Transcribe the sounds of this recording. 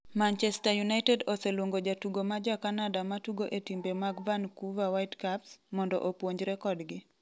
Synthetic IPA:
mant͡ʃɛstajunaitɛdoselwoŋɡod͡ʒatuɡomad͡ʒakanadamatuɡoʔetimbemaɡvankuvawaitkapsmɔndɔ̰ʔopwoɲd͡ʒɾɛkɔdɡɪ

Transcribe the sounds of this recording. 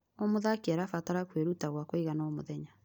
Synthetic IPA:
omoðakiaɾafataɾakweɾutaɣwakoiɣanaomoðɛɲa

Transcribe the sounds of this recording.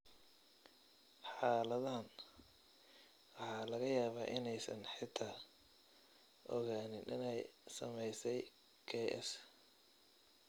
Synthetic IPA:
ħɑːlɐðɐɦɐn | wɑħɑːlɐɣɐjaːβaːʔɪnɛjsɐnħɪt̪ʰa | ʔɔɣaːnɪnʔɪnɛjsɐmɛjsɛj | kʰɛʔɛ̰s

